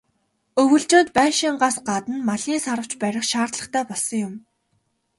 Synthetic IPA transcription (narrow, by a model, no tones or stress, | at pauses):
ɵwɵ̆ɮt͡ɕoːnt̪pæːʃiːɴɢaːsɢat̪ə̆nmaɮiːnsaɾə̆w̥t͡ɕpæɾʲɪ̆χʃaːrt̪ɮə̆χt̪ʰæːpɔɮsɞ̆ŋjʊm